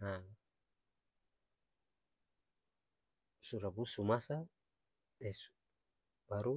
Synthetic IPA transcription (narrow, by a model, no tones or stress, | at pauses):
a | suɾabusumasa | dɛsu | baɾu